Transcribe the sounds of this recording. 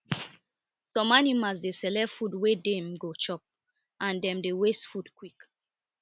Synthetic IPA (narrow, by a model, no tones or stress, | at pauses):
sɔ̃manimas̬desɛlɛfudwedemɡot͡ʃɔp̚ | ãndɛ̃mdewestfudkwik